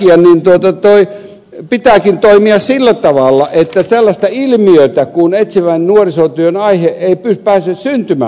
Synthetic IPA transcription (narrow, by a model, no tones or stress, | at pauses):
iɑnint̪uot̪ɑt̪oi | pit̪æːˑkint̪oimiɑssilːæt̪ɑʋɑˑlːɑʔet̪ːæselːɑst̪ɑilmiøˑt̪ækunet̪siʋænnuorisot̪yønɑiheʔeipyspæːsyssynt̪ymæ̰ː